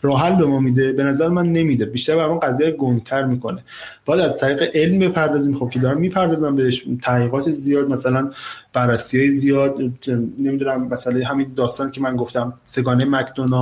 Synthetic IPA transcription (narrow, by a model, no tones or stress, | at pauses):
rɒːɦælbemɒːmid̪e̞be̞næzæɾemænːe̞mid̪ebiːʃt̪æɾbæɾmæːnɢæzijæɡont̪ʰæɾmiːkʰo̞ne | b̥ɒːjæd̪æzt̪ʰæɾiːɣeʔe̞lmbe̞pʰæɾd̪ɒːziːmχob̚cʰeɒːɾæmːiːpʰæɾd̪ɒːzæmbeeʃt̪ʰæʁiːɣɒːt̪ʰezijɒːd̪̚mæsælænb̥ærːæsiːhɒːjizijɒːd̪ne̞mid̪unæmːæsælejɦæmind̪ɒːst̪ɒːniːcʰemænɡoft̪æmse̞ɡɒːnejmæcʰd̪onɒː